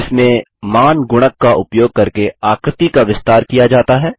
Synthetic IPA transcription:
ɪsmẽ | maːnɡʊɽ̃əkːaʔʊpjoːɡ̚kɐɾkeaːkɾət̪ikaʋɪst̪aːɾkijad͡ʒaːt̪aɦɛː

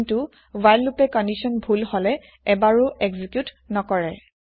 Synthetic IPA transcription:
ntu | wajlːupɛkɔndisɔnbʱulhɔlɛ | ɛbaɹʊʔɛɡzikjut | nɔkɔɹɛ

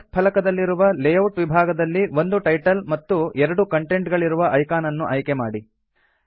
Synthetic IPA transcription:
pʰɐlɐkɐd̪ɐlːiɾuʋɐlejɐwʈʋibʱaːɡɐd̪ɐlːiʋo̞nd̪uʈɐjʈɐlmɐt̪ːuɛɾɐɽukɐɳʈe̞ɳʈɡɐɭiɾuʋɐʔɐjkaːnɐnːuʔɐjkema̰ːɽi

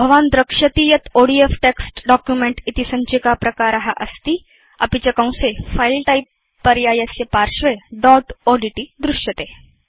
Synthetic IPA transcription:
bʱəʋand̪ɾəkʂət̪ijɐt̪ʰoɽiefʈeksʈɖɔkjumeɳʈit̪isə̃ɲt͡ɕikapɾɐkaɾaɦaʔəst̪iː | a̰pit͡ɕakãw̃sefailʈaipː | əɾjajəsjəpaɾɕʋeɖɔʈoɽiʈiːd̪ɾuʂjət̪e

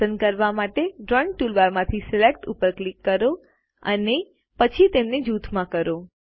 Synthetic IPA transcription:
ənkəɾʋamaʈeɖɾɔ̃ɳʈʈulʋaɾmãt̪ʰisɪlekʈupəɾklikːəɾo | ə̰ne | pət͡ʃʰit̪emned͡ʒut̪ʰmãkəɾo

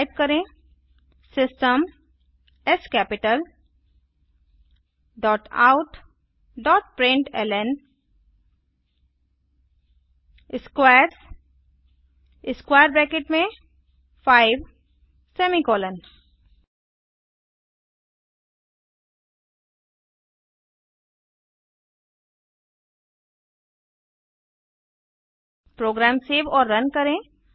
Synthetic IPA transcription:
ɪp̚kəɾẽ | sɪsʈəm | ɛskɛpɪʈəl | ɖɔːʈa̰ʊʈ | ɖɔːʈpɾẽɳʈɛ̰len | ɪskwaɾs | ɪskwajəɾbɾɛkeʈmẽ | faːɪʋ | seːmikɔːlən | pɾoːɡɾaːmseːʋɔːɾːɐnkɐɾẽ

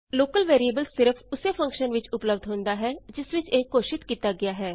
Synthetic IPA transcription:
loːkəlʋeːɾiəːbəlsɪɾəfʰʊseːpʰə̃ŋkʃənʋɪt͡ʃʊpləbd̪ʱɦõːnd̪aːɦɛːd͡ʒɪsʋɪt͡ʃeːkoːʃɪt̪kiːt̪aːɡɪaːɦɛː

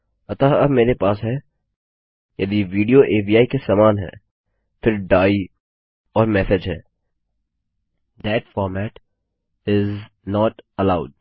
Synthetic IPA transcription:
ɐt̪aɐbmeːɾepaːsɦɛ | jɐd̪iʋiːɖioʔeːbiːaːikesaːmaːnɦɛ̰ː | fɪɾɖaːi | ɔːɾmɛːsɪd͡ʒɦɛ̰ː | d̪ɛːʈfɔːɾmɛːʈ | ɪz | nɔːʈəlaːʊɖ

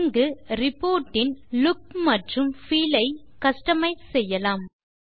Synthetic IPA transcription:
ŋɡɯɾɪpːoːɾʈːɪnlʊk̚mɐʈrɯmfiːlɐɪkɐsʈɐmɐɪsɛjːɐlaːm

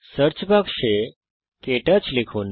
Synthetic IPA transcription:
səɾt͡ʃbʱaɡʃe | keʈət͡ʃlikʰun

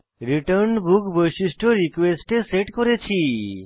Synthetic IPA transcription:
ɾiʈəɾɳbukbəjʃisʈʰoɾikʋesʈeseʈkɔɾet͡ʃʰi

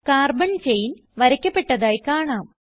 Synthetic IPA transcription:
kaːrbɐɳt͡ɕejin | ʋɐɾɐkʲːɐpːe̞ʈːɐðaːjkaːɳaːm

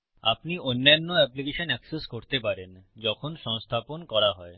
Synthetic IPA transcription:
a̰pnionːanːoɛplikeʃonɛkseskoɾt̪epaɾend͡ʑɔkʰonʃɔŋst̪ʰaponkɔɾaɦɔe

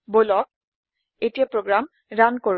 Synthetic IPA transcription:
bolɔk̚ | etijapɹoɡɹam | ɹanko

